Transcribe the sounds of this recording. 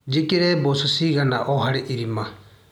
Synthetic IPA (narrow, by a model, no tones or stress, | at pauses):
d͡ʒikiɾɛbɔsusiɡanaʔɔɦaɽɛʔiɾima